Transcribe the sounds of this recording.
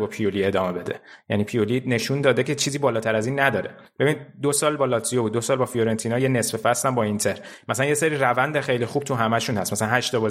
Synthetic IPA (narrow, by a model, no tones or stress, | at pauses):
bɒːpʰijolie̞d̪ɒːme̞be̞d̪ḛjæ̰niːpʰijoline̞ʃund̪ɒːd̪ecʰet͡ʃʰiːziːbɒːlɒːt̪ʰæɾæziːnːæd̪ɒːɾe | b̥e̞binid̪d̪osɒːlbɒːlɒt̪ʰijobud̪ːosɒːlbɒːfijoɾent̪ʰiːnɒːjene̞sfefæst̪æmbɒːint̪ʰe̞ɾmæsælænjeseɾiːrævænd̪exe̞jlixub̥̚t̪ʰuɦæmæʃuːnhæst̪mæsælænhæʃt̪ɒbɒː